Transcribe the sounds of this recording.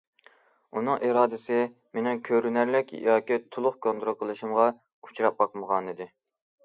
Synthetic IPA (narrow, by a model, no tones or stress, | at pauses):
unɨŋʔiɾɑːd̪ɪsɪ | menɪŋkʲʰøɾynæɾlɪkʲjɑːkʲit̪ʰulˠʊχkʰont̪ɾoqʰəlˠɨʃimʁɑ | ku̥t͡ʃʰɾɑp̚bɑqməʁɑnɨd̪ɪ